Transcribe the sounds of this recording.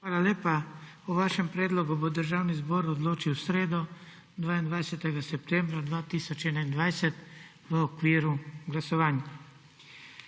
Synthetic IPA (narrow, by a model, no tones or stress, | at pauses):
xʋaːlaleːpa | uʋaːʃɛmpɾɛːd̪lɔɡubod̪əɾʒaːwnizbɔːɾɔd̪loːt͡ʃiwsɾeːd̪ɔ | d̪ʋaːind̪ʋajsɛt̪ɛɡasɛp̚t̪ɛmbɾad̪ʋaːt̪iːsɔt͡ʃɛːnaind̪ʋajsɛt̪ | ʋəɔkʋiːɾuɡlasɔʋaːnja